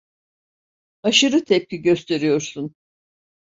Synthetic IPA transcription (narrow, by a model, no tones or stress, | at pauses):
aʃɯɾɯt̪ʰɛp̚ciɟø̞st̪ʰe̞ɾijo̞ɾsun